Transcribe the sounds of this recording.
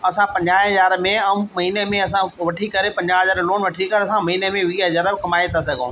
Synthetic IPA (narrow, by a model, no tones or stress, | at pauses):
ɐsãpɐ̃ɲd͡ʑãːɦɐzaːɾmẽɐũmɐɦiːnemẽɐsãʋɐʈʰikɐɾepɐ̃ɲd͡ʑaɦɐzaːɾloːnʋɐʈʰikɐɾeɐsãmɐɦiːnemẽʋiːzaɾəbkɐmaːet̪asɐɡʱõ̰